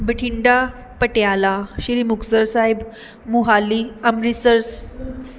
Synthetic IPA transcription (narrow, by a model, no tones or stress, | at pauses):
bəʈʰiɳɖa | pəʈejalaɕiɾimuksəɾsaɦib | muɦaliamɾisəɾs